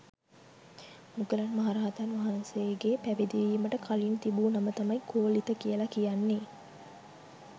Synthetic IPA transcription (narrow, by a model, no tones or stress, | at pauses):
muɡəlanmaɦaɾaːt̪anʋaɦɐnseɡeːpæʋed̪iʋiːməʈəkʰalint̪ibuːnamət̪amɐjkoːlit̪əkijəlakijanːe